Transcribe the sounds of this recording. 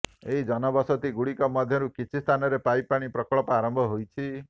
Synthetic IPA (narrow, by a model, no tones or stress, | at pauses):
eɦid͡ʒɔnɔbɔsɔt̪iɡuɽikɔmɔd̪ʱjɔɾukit͡ʃʰist̪ʰanɔɾepajpaɽ̃ipɾɔkɔɭɔpɔaɾɔmbʱɔɦojt͡ʃʰi